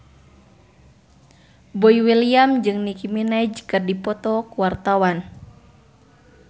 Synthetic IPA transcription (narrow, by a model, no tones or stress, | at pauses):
bɔiwiliamd͡ʒɨŋnikiminad͡ʒkɨrdipɔt̪ɔkuwart̪awan